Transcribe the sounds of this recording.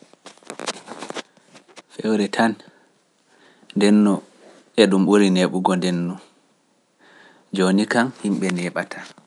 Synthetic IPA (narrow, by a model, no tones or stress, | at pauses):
fɛwɾɛtʰan | ndɛnːɔ | ʔɛɗumɓuɾineɓuɡɔndɛnːu | d͡ʒonikaŋhimɓɛnɛɓatʰa